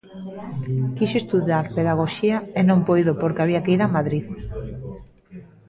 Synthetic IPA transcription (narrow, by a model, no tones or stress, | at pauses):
kiʃoest̪uðjaɾpeðaɣ̞oʃiaenõmpojðopoɾkeaβiakeiɾamaðɾið